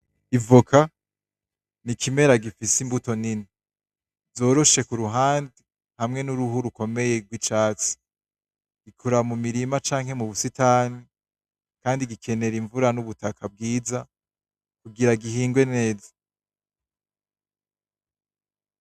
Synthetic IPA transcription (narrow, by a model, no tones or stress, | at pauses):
ivokʰa | nikʰime̞ɾaɡifisimbuto̞nini | zo̞ːɾo̞ʃe̞kuɾuɦaːndi | ŋ̥hamŋe̞nuɾuɦuɾuko̞me̞je̞ɡwit͡ʃaːt͡si̥ | ɡ̥ikʰuɾamumiɾimat͡ʃaːŋhe̞muβusitani | kaːndiɡikʰe̞ne̞ɾiɱvuɾanuβutakʰab̚ɡiːza | kuɡiɾaɡihiːŋɡwe̞ne̞ːzḁ